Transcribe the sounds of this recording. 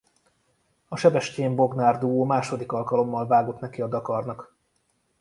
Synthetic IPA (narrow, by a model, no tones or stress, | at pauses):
ɒʃɛbɛʃceːɱbo̞ɡnaːrd̪uoːmaːʃo̞d̪ikɒlkɒlo̞mːɒlvaːɡo̞t̪nɛkiɒd̪ɒkɒrnɒk